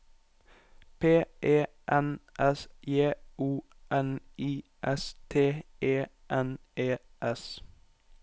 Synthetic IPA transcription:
pʰeːʔeː | ʔɛnʔɛsjeːuː | ʔɛniːʔɛst̪ʰeːeː | ʔɛnʔeːʔɛs

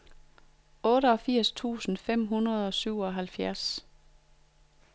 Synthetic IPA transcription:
ɔ̽ːɾəɒ̽fiɐ̰st͡sʰṵːsn̩fem̰ɦunɐð̞̩ˠɒ̽syʊ̰ɒ̽ɦælfjæɐs

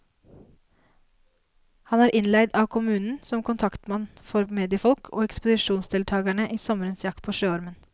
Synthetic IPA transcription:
hɑnæːɾʔɪnlæɪd̪ɑːʋkʰʊmʉːnn̩sɔmkʊnt̪ʰɑkt̪mɑnfɔɾmeːd̪ɪəfɔlkʰo̰ːɛkspʊd̪ɪʃuːnsd̪ɪlt̪ʰɑːɡæɳəʔiːsɔməɾənsjɑkt̪pʰoːʃøːɑɾmən

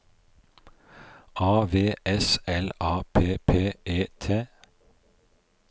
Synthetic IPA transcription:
ʔɑːʋeːʔɛsɛlʔɑːpʰeːpʰeːʔeːt̪ʰeː

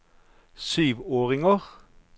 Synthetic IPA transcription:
syːʋoːʁɪŋəʁ

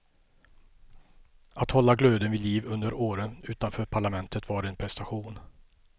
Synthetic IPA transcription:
at̪hɔlːaɡløːd̪ənvɪliːvɵnd̪əɾoːɾənʉ̟ːt̪anfœːɾpʰaɭamɛnt̪ʰət̪vɑːɖɛɛnpʰɾɛst̪aɧuːn

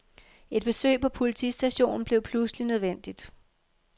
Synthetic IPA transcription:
e̝d̥̚b̥e̝sø̰ːpʰɒ̽pʰolit͡sʰḭsd̥æɕo̝̰ːnn̩b̥le̝ʊpʰluslinøð̞ˠʋen̰d̥id̥

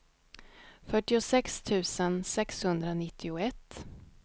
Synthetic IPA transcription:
fœʈːɪʊsɛkst̪ʰʉ̟ːsənsɛkshɵnd̪ɾanɪt̪ʰːɪʊɛt̪ː

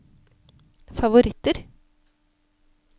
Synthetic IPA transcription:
fɑʋʊɾɪt̪ːəɾ

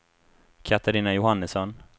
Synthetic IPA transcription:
kʰat̪aɾiːnajʊhanːəsɔn

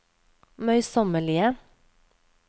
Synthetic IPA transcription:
mœʏsɔməɭiːə

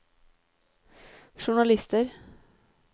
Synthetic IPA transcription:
ʃʊɳɑlɪst̪əɾ

